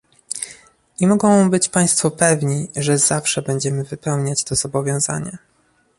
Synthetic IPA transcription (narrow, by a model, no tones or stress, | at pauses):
ʔimɔɡɔ̃w̃bɘt͡ɕpaj̃st̪fɔpɛvɲiʐɛzafʂɛbɛɲd͡ʑɛmɘvɘpɛwɲat͡ɕt̪ɔzɔbɔvʲjɔ̃w̃za̰ɲɛ